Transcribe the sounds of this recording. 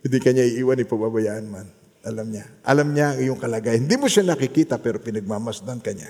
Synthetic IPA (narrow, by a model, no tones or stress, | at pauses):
wɛd̪ɪkɐɲaʔɪʔiːwanɪpɐɡ̚babɐjaʔɐnman | ʔɐlamɲaʔɐ̰lamɲaŋɪjoŋkɐlɐɡajhɪnd̪imoʃanɐkɪkiːt̪ɐpɛːɾopɪnɐɡ̚mamasd̪ankɐɲa̰